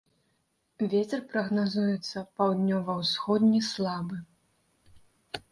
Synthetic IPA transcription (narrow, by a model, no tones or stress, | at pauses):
vʲet͡sʲɛrpɾɐɣnazujɛt̪sːɐpawd̪ʲnʲɔvɐwsxɔd̪ʲnʲislˠabɨ